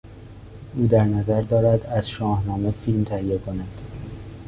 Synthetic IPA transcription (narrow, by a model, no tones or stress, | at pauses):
ʔuːd̪æɾnæzæɾd̪ɒːɾæd̪æzʃɒːhnɒːmefilmt̪ʰæhiekʰonæd̪̥